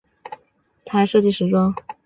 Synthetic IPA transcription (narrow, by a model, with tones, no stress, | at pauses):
t̪ʰa˧˥ɪʂɤ˥˧t͡ɕi˥˩ʂɻ̩˧˥ʈ͡ʂwɑ˥ŋ